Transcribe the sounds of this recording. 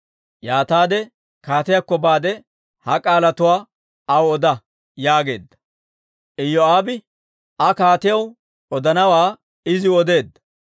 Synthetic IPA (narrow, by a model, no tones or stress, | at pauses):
jaːt̪aːd̪ɛ | kaːt̪ɪjakːɔbaːd̪ɛ | hɐkʼaːlɐt̪ʊwaː | ɐwɔd̪ɐ | jaːɡe̞̰ːd̪ːɐ̥ | ʔɪjːɔaːbɪ | ɐkaːt̪ɪjɐw | ɔd̪ɐnɐwaː | ɪzɪɔd̪e̞ːd̪ːɐ̥